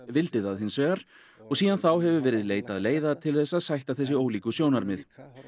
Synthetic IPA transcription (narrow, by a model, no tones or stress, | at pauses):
vɪlt̪ɪðaðhɪnsvɛːɣaɾ̥ | ɔɣsiːðanθawɦɛvʏvɛːɾɪðleːjt̪aðleːjðat̪ʰɪlθɛsːaðsajht̪aðθɛsːɪoːwliːkʏsjownaɾmɪθ